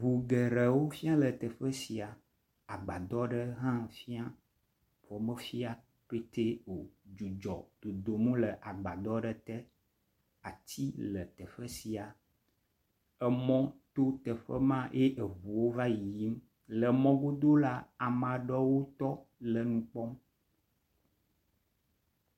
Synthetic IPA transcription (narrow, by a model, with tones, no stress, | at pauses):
vu˨ɡə˨ɾə˨wo˦fi˦a˦lə˨t̪ə˨ɸə˦si˨a˨ | a˨ɡ͡ba˨d̪ɔ˦ɖə˦ɦã˦fi˦a˦ | fɔ˨mə˦fi˦a˦ | pe˦t̪e˦o˨d͡ʒu˨d͡ʒɔ̰˨d̪̥o˨d̪o˨mũ˦lə˨ʔa˨ɡ͡ba˨d̪ɔ˦ɖə˦t̪ə˦ | a˨t̪i˦lə˨t̪ə˨ɸə˦si˨a˨ | ɛ˦mɔ̃˦t̪o˦t̪ə˨ɸə˦mã˦ʔe˦ʔe˨vu˨wo˦va˦ji˨ji˦m˦ | lə˨mɔ̃˦ɡo˦d̪o˦la˦a˨mã˨ɖɔ˦wo˦t̪ɔ˦lə˨nũ˦k͡pɔ˦m